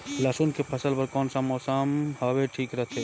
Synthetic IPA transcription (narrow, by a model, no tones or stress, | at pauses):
laːsunkepʰɐsəlpɐɾkɔːnsamɔːsamhɐweʈʰiːkɾɐɦt̪ʰe